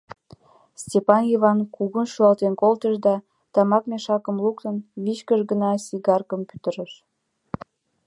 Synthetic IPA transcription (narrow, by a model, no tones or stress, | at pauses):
stʲepɑnjivɑnkuɣunʃuɑlt̪enkolt̪əʃd̪ɑ | t̪ɑmɑk̚meʃɑkəmlukt̪ənβit͡ɕkəʃɡənɑsiɣɑrkəmpy̥t̪əɾəʃ